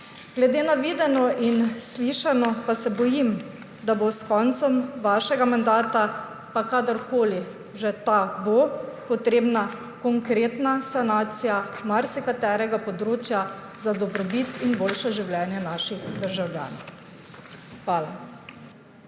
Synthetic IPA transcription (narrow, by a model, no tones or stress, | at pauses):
ɡ̥lɛd̪eːnaʋiːd̪ɛnɔʔinsliːʃanɔpasɛbɔjim | d̪aboskɔnt̪sɔmʋaːʃɛɡamand̪aːt̪a | pakaːd̪əɾkoːli | ʒɛt̪abopɔt̪ɾeːbna | kɔŋkɾeːt̪nasanaːt̪sijamaɾsikat̪ɛːɾɛɡapɔd̪ɾoːt͡ʃja | zad̪ɔbɾɔbit̪inboːlʃɛʒiwljɛːnjɛnaːʃixd̪əɾʒawlʲja̰ːn | xʋaːla